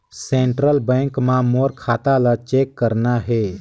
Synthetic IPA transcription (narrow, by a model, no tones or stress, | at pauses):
seɳʈɾəlbɛ̃ŋkmamoɾkʰaːt̪alat͡ʃekːəɾnaɦɛ